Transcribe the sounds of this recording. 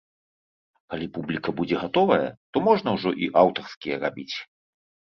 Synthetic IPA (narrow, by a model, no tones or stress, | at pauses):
kalʲipublʲikɐbud͡zʲɛɣat̪ɔvɐjɐ̰t̪ɔmɔʐn̪ɐwʐɔʔiʔawt̪ɐrskʲijɛrabʲit͡sʲ